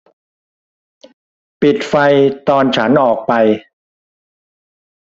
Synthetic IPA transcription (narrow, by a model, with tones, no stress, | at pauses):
pi˨˩t̪̚fa˧jt̪ɔː˧nt͡ɕʰa˦˥nʔɔː˨˩k̚pa˧j